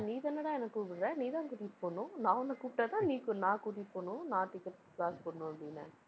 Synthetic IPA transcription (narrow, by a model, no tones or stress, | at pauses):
niːt̪ɐnɐɽãːɛnɐkːkuːpɪɽɾɛ̃ːniːt̪ãːkuːʈɪpːoːɳʊ̃nãːɔnːɐkuːpʈːaːt̪ãːniːknãːkuːʈɪpːoːɳʊ̃nãːt̪ɪkːɐʈ | plaːspɐɳnʊ̃ɐpɽɪnːɐ̰